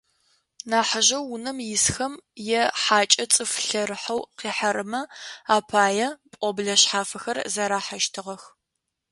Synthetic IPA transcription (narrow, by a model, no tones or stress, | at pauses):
naːħaʒɐwːʊnɐmjɪsxɐmjɛħaːt͡ʃʼɐt͡sʼɨfɬɐɾɨħawqiːħɐɾɨmɐaːpʰaːjɛpʼɔbɮɐɕħaːfɐxɐrzɐɾaːħaʃtʰɨʁɐx